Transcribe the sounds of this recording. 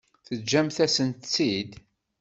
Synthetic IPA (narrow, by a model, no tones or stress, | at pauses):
θəd͡ʒːæmθæsənt̪t͡sːid̪